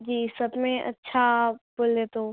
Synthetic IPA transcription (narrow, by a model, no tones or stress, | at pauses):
d͡ʑiːsəbmẽʔɐ̰tːʃʰaboleːt̪oː